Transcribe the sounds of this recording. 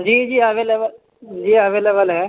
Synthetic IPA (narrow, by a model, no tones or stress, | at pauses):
d͡ʒiːd͡ʒiːəʋeːlebəl | d͡ʒiːəʋeːlebəlɦɛː